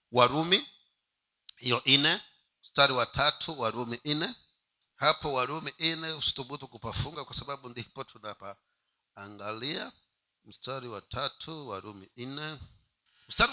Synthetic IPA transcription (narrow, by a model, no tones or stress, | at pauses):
waɾumi | hijɔʔinɛ | m̩staɾiwatʰatʰuwaɾumiʔinɛ | hapɔwaɾumiʔinɛusu̥tuɓutukupafuŋɡakwasaɓaɓundipɔtʰunapaː | ŋɡalia | m̩staɾiwatʰatʰuwaɾumiinɛ | m̩staɾ